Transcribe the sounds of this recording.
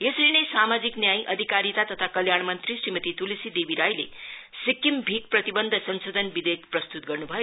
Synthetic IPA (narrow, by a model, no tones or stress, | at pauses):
eslinʌjsamad͡ziknjajʔʌd̪ʱikaɾit̪at̪ʌt̪ʰakʌljaɳ̃mʌnt̪risrimʌt̪it̪ulisid̪ebiɾajlḛsikːimbʱik̚prʌt̪ibʌnd̪ʱʌsʌnsod̪ʱʌnbid̪ekprʌst̪ut̪̚ɡʌrnubʱʌjo